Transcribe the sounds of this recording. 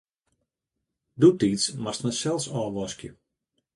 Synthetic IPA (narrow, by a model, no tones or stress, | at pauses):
dutiːsmastnəsɛlˠsɔːʋɔskjə